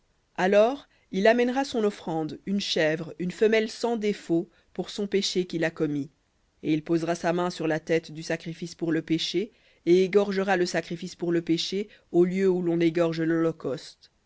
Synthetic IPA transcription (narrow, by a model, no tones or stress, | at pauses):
alɔːʁ | ilamɛnʁasɔ̃nɔfχɑ̃d̪ynʃɛvʁynfəmɛlsɑ̃d̪efo | puʁsɔ̃peʃekʲilakɔmi | eilpozʁasamɛ̃syʁlat̪ɛt̪d̪ysakχifispuʁləpeʃe | eeɡɔʁʒəʁaləsakχifispuʁləpeʃe | oljøulɔ̃neɡɔʁʒlɔlɔkɔst̪